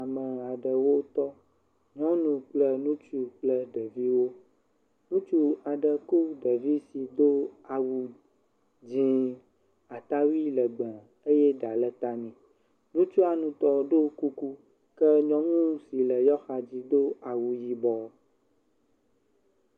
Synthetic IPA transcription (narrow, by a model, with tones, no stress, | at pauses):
a˨mə̃˨a˨ɖə˨wo˦t̪ɔ˦ | ɲɔ̃˦nũ˨k͡plə˦nũ˦t͡ʃu˦k͡plə˦ɖə˨vi˦wo˦ | nũ˦t͡ʃu˦a˨ɖə˨ku˦ɖə˨vi˦si˨d̪o˦a˨wu˨ | d͡ʑĩ˦ | a˨t̪a˦wi˦lə˨ɡ͡bɛ̃˨ | e˦jɛ˦ɖa˨lɛ˦t̪a˦nɛ̃˨ | nũ˦t͡ʃu˦a˨nũ˨t̪ɔ˦ɖo˦ku˦ku˦ | kɛ˦ɲɔ̃˦ŋũ˦si˨lə˨jɔ˦xa˨d͡ʑi˦d̪o˦a˨wu˨ji˦bɔ˨